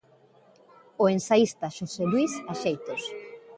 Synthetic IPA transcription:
oensaist̪aʃoselwisaʃejt̪os

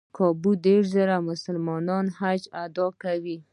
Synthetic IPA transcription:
kʰɑbud̪eʂzəɾamʊsəlmɑnɑnhad͡ʒad̪ɑkawi

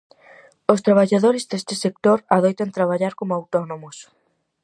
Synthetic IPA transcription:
ost̪ɾaβ̞aʎaðoɾɪzðest̪ɪsek̚t̪oɾaðojt̪ant̪ɾaβ̞aʎaɾkomoawt̪ɔnomos

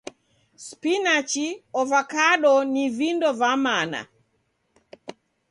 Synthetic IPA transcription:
spinat͡ʃiɔvakaɗɔnivindɔvamana̰

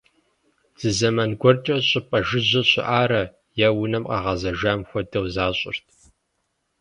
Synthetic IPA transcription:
z̥ɨzɐmɐnɡʷɔrt͡ʃʼɐɕʼʊpʼɐʒɪʑɐɕʼɪ̰ʔaːɾɐ | jɛwʊnɐmqɑʁɐzɐʒaːmxʷɔdɐwzaːɕʼɪ̰rtʰ

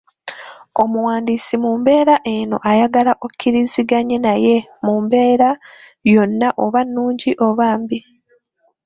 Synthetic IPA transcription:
o̞muwaːndiːsimuːmbe̞ːɾaʔeno̞̰ʔajaɡalaʔokʰːiɾiziɡaɲenaje̞muːmbe̞ːɾa | jo̞nːaʔoβanːuːɲɟiʔo̞βaːmbi

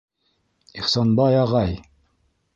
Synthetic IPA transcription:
iχsɑnbɑjɑʁɑj

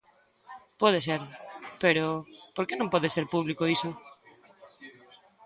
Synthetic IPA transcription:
pɔð̞eseɾpeɾʊpoɾkenõmpɔðeseɾpuβlikoiso

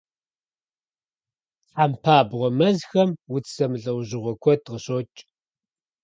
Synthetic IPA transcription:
t͡sħaːmpʰaːbʁʷɔmɐzxɐmwʊt͡sʰsɐmɨɮɐwʑɪʁʷɔkʷʰɔdʁəɕot͡ʃʼ

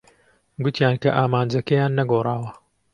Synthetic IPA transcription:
ɡʊt̪ʰjaːnkɐ̰ʔaːmaːnd͡ʒɐkɐjaːnːɐɡorˤɑːwɐ

